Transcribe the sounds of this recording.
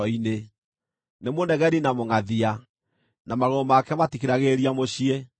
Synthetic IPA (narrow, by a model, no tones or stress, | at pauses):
ɔine | nemonɛɣɛɾinamoŋaðia | namaɾomakɛmatikeɾaɣeɾiamoɕie